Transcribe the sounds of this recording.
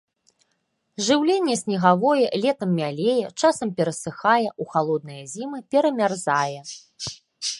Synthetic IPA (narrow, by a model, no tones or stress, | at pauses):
ʐɨwlʲenʲːɛsʲnʲiɣavɔjɛlʲɛt̪ɐmːʲalʲejɛt͡ʂasɐmpʲɛɾɐsɨxajɛʔuxalˠɔd̪̚nɨjɐzʲimɨpʲɛɾɐmʲarzajɛ